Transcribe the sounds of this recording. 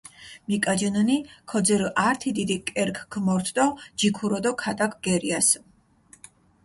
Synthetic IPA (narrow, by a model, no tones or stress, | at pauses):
mikʼad͡ʒənənikʰɔd̪zɛɾʔaɾt̪ʰid̪id̪ikʼɛɾkʰɡmɔɾt̪ʰd̪ɔd͡ʒikʰuɾɔd̪ɔkʰat̪ʼakʰɡɛɾias